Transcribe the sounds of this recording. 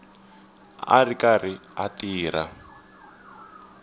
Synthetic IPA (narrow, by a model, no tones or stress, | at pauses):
a̰rikariatiːɾa